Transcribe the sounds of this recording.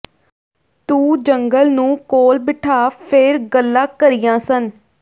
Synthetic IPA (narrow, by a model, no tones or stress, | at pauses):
t̪ũːd͡ʒəŋɡəlnũːkoːlbɪʈʰaːpʰeːɾɡəlːãːkəɾɪjãːsən